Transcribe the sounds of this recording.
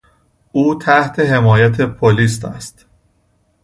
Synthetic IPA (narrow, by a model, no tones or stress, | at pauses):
uːt̪ʰæht̪ʰe̞ɦe̞mɒːjæt̪ʰepʰoliːs̬t̪ʰæ̰st̪